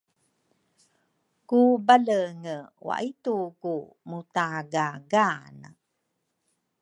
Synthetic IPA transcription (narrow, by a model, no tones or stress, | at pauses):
kubaləŋəwa̰ʔituku | mutaɡaɡanə̰